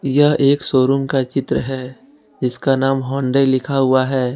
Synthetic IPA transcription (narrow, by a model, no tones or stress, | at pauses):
jɐɦeːksoːɾʊ̃ŋkat͡ʃɪt̪ɾəɦɛː | d͡ʒɪskanaːmɦɔ̃ːɳɖeːlɪkʰaɦʊaɦɛː